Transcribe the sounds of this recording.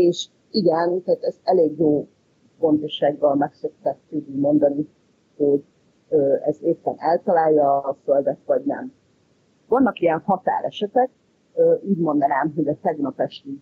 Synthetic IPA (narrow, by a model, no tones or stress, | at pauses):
eːʃ | iɡɛnt̪ɛːt̪ɛzɛleːɡjoː | fo̞nt̪oʃaːɡːɒlmɛksøkt̪ɛt̪ːud̪imo̞nd̪ɒni | ho̞ɟ | øːɛ̰zeːpːɛnɛlt̪ɒlaːjːɒføld̪ɛt̪ʋɒɟnɛ̰m | vɒnːɒkijɛnhɒt̪a̰ːɾɛʃɛt̪ɛk̚ | øʔuːɟmo̞nd̪ɒnaːmɦo̞ɟɒt̪ɛɡnɒpɛʃt̪i